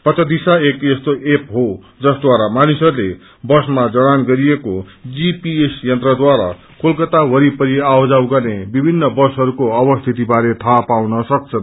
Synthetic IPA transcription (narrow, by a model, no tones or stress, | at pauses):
pʌt̪ʌd̪isaekest̪oʔepɦo | d͡zʌsd̪waɾamanisʌɾule | bʌsmad͡zʌɽ̃anɡʌɾijeko | d͡zipiesjʌnt̪rʌd̪waɾa̰ | kʰolkʌt̪awʌɾipʌɾiawd͡zawɡʌrnebibʱinːʌbʌsɦʌɾukoʌbʌst̪ʰit̪ibaɾet̪ʰapawnʌsʌk̚t͡sʰʌn